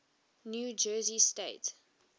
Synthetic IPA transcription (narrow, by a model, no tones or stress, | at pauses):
njud͡ʒɜːzisteɪt